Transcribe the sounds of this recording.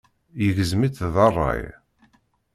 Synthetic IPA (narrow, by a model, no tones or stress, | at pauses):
jəʝəzmiθðɑrˤːɑ̰j